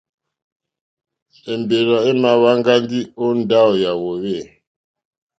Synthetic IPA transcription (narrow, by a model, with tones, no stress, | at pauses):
ɛ˨mbe˨ɾa˨ɛ˦ma˨wa˦ŋɡa˦n˦di˦o˦n˦da˦ɔ˨ja˨wɔ˨wɛ˦˨